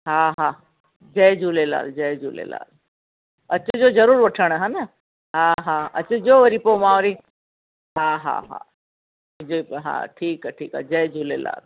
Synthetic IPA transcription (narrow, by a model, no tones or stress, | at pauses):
ɦaːɦãː | d͡ʒɐjd͡ʒulela̰ːld͡ʒɐd͡ʒuːlḛla̰ːl | ɐt͡ʃʰəd͡ʒoːd͡ʒɐɾuːɾʋɐʈʰəɽ̃ɦãːnɐ | ɦãːɦaːɐt͡ʃʰəd͡ʒoʋəɾipomãːɾi | ɦaːɦa̰ɦa̰ | d͡ʒoɦã̰ːʈʰiːkaʈʰiːka̰d͡ʒɐjd͡ʒuːlela̰ːl